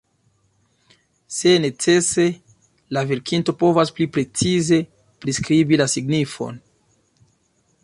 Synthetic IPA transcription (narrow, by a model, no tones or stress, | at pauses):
se̞ne̞t͡se̞se̞ | lave̞ɾkinto̞po̞vasplipɾe̞t͡size̞ | pɾiskɾibilasiɡnifo̞̰n